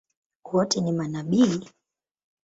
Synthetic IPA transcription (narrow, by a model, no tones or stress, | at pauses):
wɔtɛnimanaɓili